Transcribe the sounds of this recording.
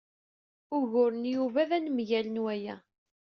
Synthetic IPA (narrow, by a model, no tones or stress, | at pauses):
ʊʝʊɾənjuvæðænmʝælənwæjæ̰